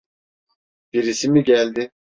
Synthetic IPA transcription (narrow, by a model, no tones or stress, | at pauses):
b̥iɾisimiɟælʲd̪i